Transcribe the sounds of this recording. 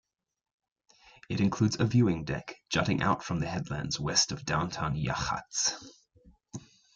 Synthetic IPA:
ɪɾɪ̃nkʰl̥ʉːdzəvjʉːɪ̃ŋdɛ̰kd̥ʒ̥ʌɾɪ̃ŋʔa̰ʊtfɹə̃mðəɦɛdˡlæ̰̃ndz̥wɛstəvdãʊ̃ntʰãnja̰xa̰ts

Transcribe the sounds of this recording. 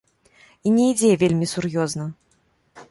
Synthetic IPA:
inʲɛid͡zʲɛvʲelʲmʲisurjɔznɐ

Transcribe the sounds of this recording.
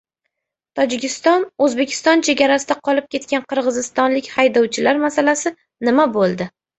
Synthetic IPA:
t̪ʰɒd͡ʒɪkʲɪst̪ɒnɵzbe̞kʲʰɪ̥st̪ɒnt͡ʃʰe̞ɡʲaɾasɪd̪aqʰɒlɪp̚kʲʰe̞t̪kʲanqʰɨɾʁɨzɪst̪ɒnlɪkʲhajd̪ɒwt͡ʃʰɪlaɾmasalasɪ | nɪmabolˠd̪ɪ

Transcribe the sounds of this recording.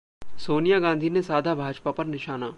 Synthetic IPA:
soːnijaɡãːnd̪ʱinesaːd̪ʱabʱaːd͡ʒpapɐɾnɪʃaːnaː

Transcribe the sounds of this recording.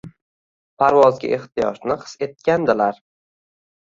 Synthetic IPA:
pʰaɾvɒzɡʲa̰ʔeht̪ɪjɒ̰ʃnɪqʰɨ̥se̞t̪̚kʲand̪ɪlaɾ

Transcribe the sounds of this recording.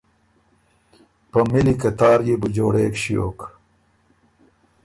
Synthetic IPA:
pɐmilikɐt̪aːɾjebud͡ʑoːɽeːkɕijo̰ːk

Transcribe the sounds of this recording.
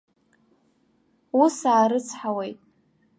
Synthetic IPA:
usaːɾɨt͡sʰħawejtʼ

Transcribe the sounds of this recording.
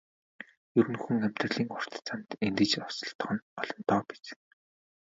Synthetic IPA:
jɵɾɘ̆nxuŋæm̥ʲt̪rə̆ɮiːŋʊr̥t̪t͡samt̪ent̪ɘ̆t͡ɕɔsɞ̆ɬt̪̆χɞ̆nɔɮɞ̆nt̪ɔːpi̥t͡sɘ̆

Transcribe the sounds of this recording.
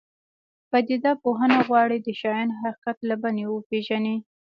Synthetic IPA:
bad̪id̪ɑpoɦənaɣwɑɽid̪əʃɑjɑnɦaqi̥qat̪labanewəpeʒani

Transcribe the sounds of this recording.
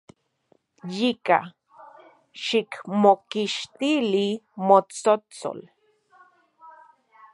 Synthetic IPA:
jika̰ | ʃikmokiʃt̪ilimot͡sot͡so̰l

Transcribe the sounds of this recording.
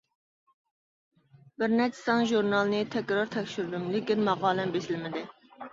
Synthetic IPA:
bɪɾnɛɾt͡ʃʰɪ̥sɑŋʒuɾnɑlˠnɨt̪ʰɛkʲɾɑɾt̪ʰɛkʲʃyɾd̪ymlɪkʲinmɑʁɑːlˠɛmbesɪlmɪd̪ɪ

